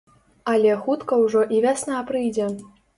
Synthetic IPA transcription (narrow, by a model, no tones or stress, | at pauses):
ɐlʲɛxut̪kɐwʐɔʔivʲasnapɾɨjd͡zʲɛ